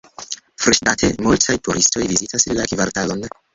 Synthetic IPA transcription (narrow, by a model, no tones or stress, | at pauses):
fɾiʃtatʰemultʰajtʰuɾʔisto̞jvizitasllakivaɾtalon